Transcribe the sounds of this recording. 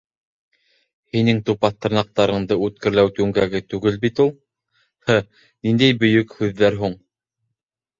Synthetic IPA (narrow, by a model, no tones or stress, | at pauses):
hinɘŋt̪upɑθt̪ɤ̆ɾnɑq̚t̪ɑɾɤ̆ɴd̪ɤʉt̪̚kɘ̆ɾlæwt̪ʉŋɡæɡɘt̪ʉɡɘlbit̪ulˠ | hɘ | nind̪æjbɵ̆jɵkhʉðːæɾɦuɴ